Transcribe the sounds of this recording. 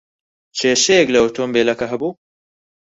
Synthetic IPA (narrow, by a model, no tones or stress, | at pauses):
t͡ʃeːʃeɡlɐwt̪ombelɐkɐɦɐbu